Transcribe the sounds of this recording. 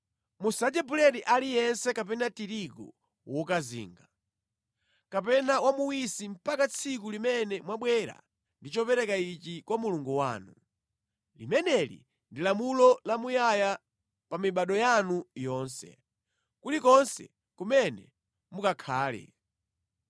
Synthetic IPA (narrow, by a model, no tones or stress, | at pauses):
musad͡ʒɛbulɛɾiʔalijɛnsɛkap̬ɛnatiɾikṵ | wɔkazḭːŋɡa | kap̬ɛnawamuwisim̩pakat͡sʰik̬ulimɛnɛmwaɓwɛɾa̰ | ndit͡ʃɔpɛɾɛkait͡ʃikwamuluŋɡuwa̰ːnu | lḭmɛnɛlḭ | ndilamulɔlamujaja | pamiɓaɗɔjanujɔːnsɛ̰ | kutikɔnsɛ̰ | kumɛnɛ̰ | mukakʰaːlɛ̰